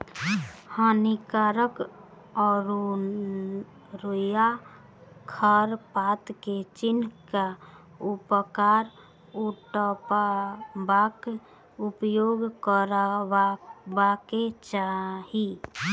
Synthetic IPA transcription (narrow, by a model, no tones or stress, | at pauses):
hənikaɾək | ɔɾ | ɾoja | kʰəɾpat̪ket͡ʃinka | upəkaɾ | uʈpabak | upjoɡkəɾ | baket͡ʃaɦi